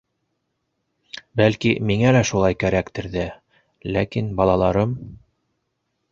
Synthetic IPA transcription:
bælkimiŋælæʃulˠɑjkæɾækt̪ɘ̆ɾðæ | lækinbɑlˠɑlˠɑɾɤm

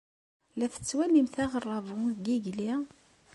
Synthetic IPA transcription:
læθə̥t͡sːwælimθæʁərˤːɑvuɡiʝli

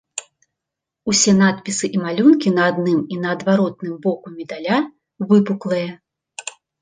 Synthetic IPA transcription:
usʲɛn̪at̪̚pʲisɨʔimalʲunkʲinɐːd̪nɨminɐːd̪vaɾɔt̪̚nɨmbɔkumʲɛd̪alʲa | vɨpuklˠɐjɛ

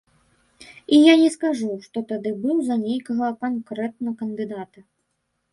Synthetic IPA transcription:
ijanʲɛskaʐuʂt̪ɔt̪ad̪ɨbɨwzɐnʲejkɐɣɐkankɾɛt̪̚nɐkɐnd̪ɨd̪at̪ɐ

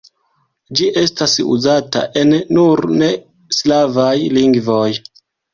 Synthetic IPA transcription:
d͡ʒiʔe̞stasṵzata̰ʔe̞nːuɾne̞ | slavajliŋɡvo̞j

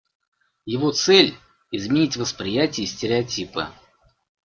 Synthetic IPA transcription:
jɪvo̞t̪sɛlʲ | ɪzmʲɪnʲitʲvəspɾʲɪjætʲɪjsʲtʲɪɾʲɪɐtʲipɨ̰

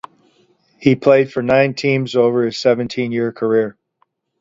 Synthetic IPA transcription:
hipʰl̥eɪd̥fə˞nãɪ̃ntʰĩmzoʊvə˞ɨz̥sɛvɨ̃ntʰĩnjɪɹkʰə˞ɪɹ

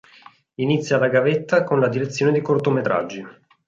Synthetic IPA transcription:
init̪sːjalaɡavet̪ːakonlad̪iɾet̪sːjoːned̪ikort̪omet̪ɾa̰d͡ʒːi

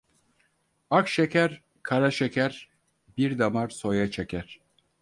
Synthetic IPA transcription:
akʃecʰæɾ | kʰaɾaʃecʰæɾ | biɾd̪amaɾso̞jat͡ʃʰecʰæɾ̥

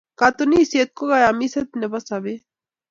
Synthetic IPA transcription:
kat̪oniset̪̚koɣajamiset̪nebasabe

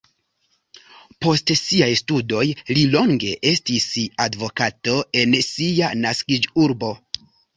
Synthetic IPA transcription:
po̞stsiajstudo̞jlilo̞ŋɡe̞ʔe̞stisadvo̞kato̞e̞nsianaskid͡ʒuɾbo̞

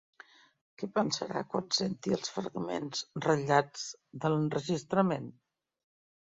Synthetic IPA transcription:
kɛpənsə̰ɾa̰kwansent̪iəlˠsfɾəɣmḛnzrəʎad͡zðələnrəʒist̪ɾəmen

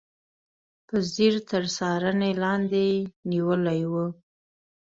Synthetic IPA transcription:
pəziɾt̪əɾsɑɾənelɑnd̪eniwəlajwu

